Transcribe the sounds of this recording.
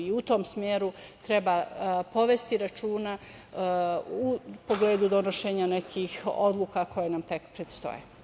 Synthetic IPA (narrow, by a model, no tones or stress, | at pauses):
iut̪o̞ːmsmjeːɾut̪ɾebapo̞ʋe̞st̪iɾat͡ʃuːna | upo̞ɡleːd̪ud̪o̞noʃeːɲanekʰiːxo̰d̪luːkako̞jenamt̪e̞kpɾet̪st̪o̰jḛ